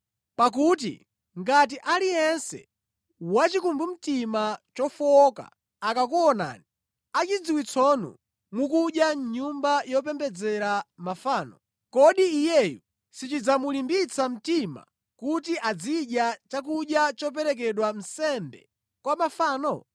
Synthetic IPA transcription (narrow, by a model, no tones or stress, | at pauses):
pak̬uːt̬ḭ | ŋɡat̬iʔalijɛnsɛ̰ | wat͡ʃikumbum̩timat͡ʃɔfɔka̰ː | kak̬uɔna̰ːni | at͡ʃid͡ziwit͡sʰɔnṵ | mukuɗjaɲumbajɔp̬ɛmbɛd͡zɛɾamafaːnɔ̰ | kɔɗiːjɛju | sit͡ʃid͡zamulimbit͡sam̩tima̰ | kut̬iʔad͡ziɗjat͡ʃakuɗjat͡ʃɔp̬ɛɾɛk̬ɛɗwan̩sɛmbɛ̰ | kwamafaːnɔ